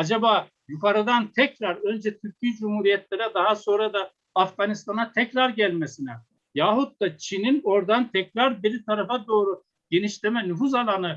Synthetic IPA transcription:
ad͡ʒabaː | jukaɾɯd̪ant̪ʰɛcɾaɾø̞nd͡ʒɛt̪ʰyɾcʰid͡ʒumhuɾijɛt̪lʲeɾɛd̪aɦaso̞nɾad̪aː | fɡanist̪ʰanat̪ʰɛcɾaɾɟælʲmesinɛ | jaɦut̪̚ːat͡ʃʰinino̞ɾd̪ant̪ʰɛcɾaɾbiɾit̪ʰaɾafad̪o̞ːɾu | ɟ̥e̞niʃlʲemɛnufuzalˠanɯ

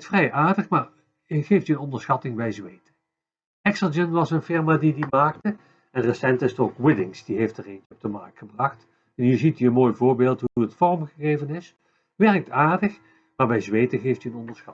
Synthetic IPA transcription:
tfrɛjʔaːɹdəχmaːɹ | ɣejftəənɔndəɹsχɑtɪŋbɛjzʋejtə | ɛksəd͡ʒənʋɑsənfɪrmaːdidimaːk̚tə | ɛnrəsɛntɪsətoːkwɪdɪŋsd̥iɦejftəreːnt͡ʃəɔb̚dəmɑɹk̚tχəbrɑxt | ɛnjəzitiənmoːjvʊːɹbeːlˠtuuətfɔrəmχəɣeːvənɪs | ʋɛrk̚taːɹdəχ | maːɹbɛjzʋeːtəɣejftyənɔndəɹsxɑ

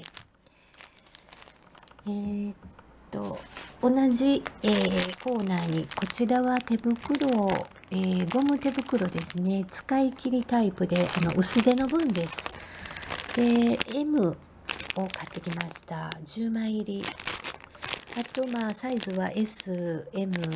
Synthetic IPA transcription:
e | tt̪ːo̞̰ːnaʑieːko̞ːnaiko̞t͡ɕiɾaβat̪e̞bɯ̟kɯ̟ɾo̞ | eːɡo̞mɯ̟t̪e̞bɯ̟kɯ̟ɾo̞d̪e̞sɨne̞t͡sɨ̥kaikʲiɾʲit̪aipɯ̟d̪e̞ʔano̞̰ʔɯ̟sɨd̪e̞no̞bɯ̟̃nd̪e̞sɨ̥ | d̪̥e̞ːmɯ̟ | o̞kat̪ːe̞kʲimaɕi̥t̪aʑɨːmãiɾʲi | at̪o̞maːsaizɨβaʔe̞sɨe̞mɯ̟

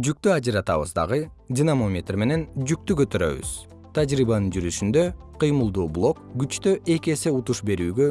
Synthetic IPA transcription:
d͡ʒyk̚t̪yɑd͡ʒɯɾɑt̪ɑ̰βɯ̰zd̪ɑ̰ʁɯ | dʲinamomʲet̪rme̞ne̞nd͡ʒyk̚t̪ykø̞t̪ø̞ɾø̰βy̰z̥ | t̪ʰɑd͡ʒɾiβɑnɯnd͡ʒyɾyʃynd̪ø̞qʰɯjmɯlˠd̪uːblˠo̞kɡyt͡ʃt̪øʔe̞ke̞se̞ut̪uʃbe̞ɾyːɡø̞

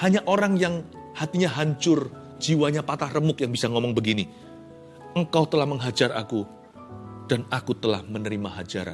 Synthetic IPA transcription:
haɲaʔoɾaŋjaŋ | hat̪iɲaɦaɲt͡ʃʊr | d͡ʒiwaɲapat̪ahrəmʊk̚jaŋbisaŋomɔŋbəɡini | əŋkawt̪əlahməŋɦad͡ʒara̰ku | d̥anakut̪əla̰hmənəɾimaɦad͡ʒa̰ɾa̰

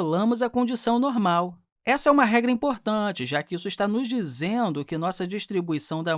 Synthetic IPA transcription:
lɐ̃mʊzɐkõd͡ʒisɐ̃w̃noɾmaw | ɛsɐɛũmɐɦɛɡɾɐĩpoɾt̪ɐ̃t͡ʃɪʒakɪisʊiʃt̪anʊzd͡ʒizẽd̪ʊkɪnɔsɐd͡ʒiʃt̪ɾibuisɐ̃w̃d̪ɐ

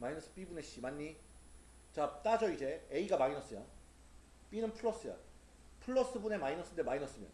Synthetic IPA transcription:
mainʌs͈ɯ̥p͈ibune̞ɕ͈imaɲːi | t͡ɕat͈ad͡ʑʌid͡ʑe̞eiɡamainʌs͈ʌjʌ | p͈inɯnpʰuɭːʌs͈ɯja̰ | pʰɯɭːʌs͈ɯbune̞mainʌs͈ɯndemainʌs͈ɯmjʌ̰n

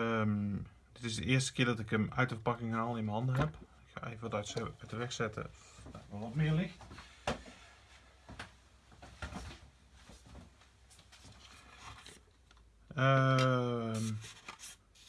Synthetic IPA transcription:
d̥ɪtɪsdəɪəstə̥kɪːədɔtɪkəmœ̰ɥtəfəpɑkɪŋaːlˠɪnməɦɑndəɦɛpɪkha̰eːvədɛsətəʋɛxsɛtə̰ | daʋɔlɔtmɪərlɪxt | ə | m

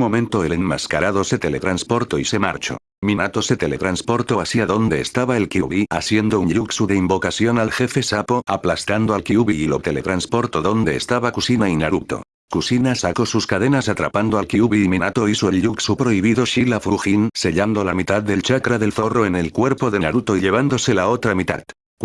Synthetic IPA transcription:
mo̞mẽ̞nt̪o̞elenmaskaɾaðo̞se̞t̪e̞le̞t̪ɾanspo̞ɾt̪oise̞ma̰ɾt͡ʃo̞̰ | minat̪o̞se̞t̪e̞le̞t̪ɾanspo̞ɾt̪o̞asiaðo̞nd̪e̞ːst̪aβae̞lkiuβiasje̞nd̪o̞unʎuksuðeimbo̞kasjo̞nalxe̞fe̞sapo̞aplast̪and̪oalkiuβiilot̪e̞le̞t̪ɾanspo̞ɾt̪oðo̞nd̪e̞ːst̪aβakusinainaɾup̚t̪o̞̰ | kusinasako̞suskaðe̞nasat̪ɾa̰pand̪oalkiuβiːminat̪oisoelʎuksupɾo̞iβ̞iðo̞ʃilafɾuxinse̞ʎand̪olamit̪aððe̞lt͡ʃakɾaðe̞lθo̞roe̞ne̞lkwe̞ɾpoðe̞naɾut̪oiʎe̞β̞and̪o̞se̞lao̞t̪ɾamit̪a̰ð | kw

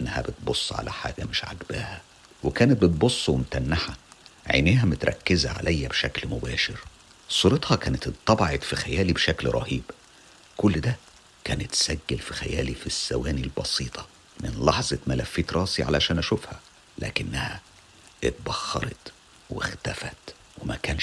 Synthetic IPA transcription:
ʔenːæhæ̰bɪt̪̚bosˤːʕa̰læħa̰ːɡæmɪʃʕa̰ɡbæːhæ | wekæːnet̪̚bet̪̚bosˤːwemt̪ænːaħæʕḛneːhæmʊt̪ɾˤɑ̰kːɪzæʕa̰lʔæjːæbʃæklmʊbæːʃɪɾ | sˤuːɾɑt̪ˤhɑkæːnet̪et̪ˤːɑbɑʕet̪fixæjæːlibʃæklɾˤɑ̰hiːb | kʊlːd̪æ | kæːnet̪ːsæɡːɪlfixæ̰jæ̰ːlifisːæ̰wæːnilbɑsiːt̪ˤʰɑ̥ | mɪnlɑħzˤɑmælæfːiːt̪ɾˤɑːsiʕa̰læʃæːnʔæʃufhæ | læ̰ːkɪnːæhæ | et̪̚bɑxːɑ̰ɾˤɑt̪ | wḛxt̪æfæt̪ | wemæ̰kæːn

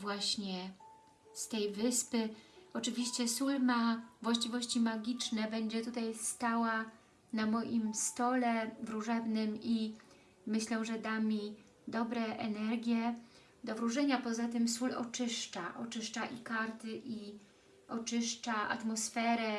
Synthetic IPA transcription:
vwaɕɲɛ | st̪ɛjvɘspɘɔt͡ʂɘvʲiɕt͡ɕɛsulmavwaɕt͡ɕivɔɕt͡ɕimaɡʲit͡ʂnɛbɛɲd͡ʑɛt̪ut̪ajst̪awa | namɔjimst̪ɔlɛvɾuʐɛbnɘmi | mɘɕlɛʐɛd̪amʲi | d̪ɔbɾɛʔɛnɛɾɡʲjɛ | d̪ɔvɾuʐɛɲapɔzat̪ɘmsulɔ̰t͡ʂɘʂt͡ʂaʔɔt͡ʂɘʂt͡ʂaʔikaɾt̪ɘʔi | ɔt͡ʂɘʂt͡ʂaʔa̰t̪mɔsfɛɾɛ

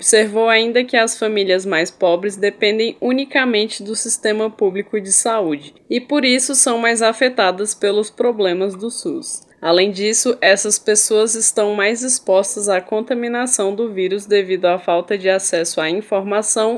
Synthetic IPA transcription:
obseɾvowaĩnd̪ɐkɪɐsfɐ̃miliɐzmajspɔbɾɪzd̪epẽnd̪ẽj̃ũnikamẽnt͡ʃɪd̪ʊsist̪ẽmɐpublikʊd͡ʒɪsaud͡ʒɪ | ɪpoɾisʊsɐ̃w̃majzafet̪ad̪ɐspelʊspɾoblẽmɐzd̪ʊsus | alẽj̃d͡ʒisʊʔɛsɐspesoɐzɪst̪ɐ̃w̃majzd͡ʒispɔst̪ɐzakõnt̪ɐmĩnasɐ̃w̃d̪ʊviɾʊzd̪evid̪ʊafawt̪ɐd͡ʒɪasɛsʊaĩfoɾmasɐ̃w̃

